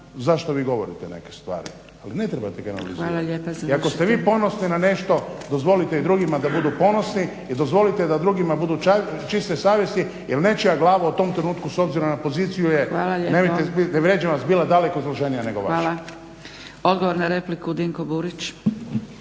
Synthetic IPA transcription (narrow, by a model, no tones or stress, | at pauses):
zaʃt̪oʋiːɡo̞ʋo̞ɾit̪enḛkest̪ʋa̰ːɾḭ | aline̞t̪ɾebat̪eɡana̰lḭzʋaːlˠaʎeːpaziakost̪eʋiːpo̞no̞sninane̞ʃt̪o̞d̪ozʋo̞lit̪eid̪ɾuɡimad̪abud̪upo̞nosni | id̪ozʋo̞lit̪ed̪ad̪ɾuːɡimabud̪uat͡ʃist̪esaːʋje̞st̪i | jelnet͡ʃijaɡlˠaːʋaut̪o̞ːmt̪ɾenuːt̪̚kuso̞bziɾomnapo̞ziːt̪sijujeaːlaʎeneoeineʋɾjed͡ʑeʋasbiːlˠad̪ale̞kozloʒenijane̞ɡoʋaaʃa | od̪ɡoʋoɾnaɾeplikud̪iŋkobuɾit͡ʃ